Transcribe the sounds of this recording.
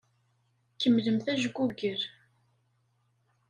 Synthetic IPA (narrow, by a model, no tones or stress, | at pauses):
kːəmləmθæʒɡʷuɡəɾ